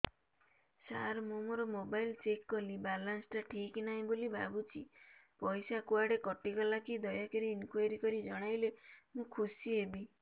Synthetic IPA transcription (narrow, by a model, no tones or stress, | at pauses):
sa̰ɾmomɔɾɔmobajlt͡ʃekːɔlibalansʈaʈʰiknaɦĩbolibʱa̰but͡ʃʰḭpɔjsakuaɽekɔʈikɔlakid̪ɔjakeɾiːnkwajɔɾikɔɾid͡ʒɔɽ̃ajlemũkʰusiebi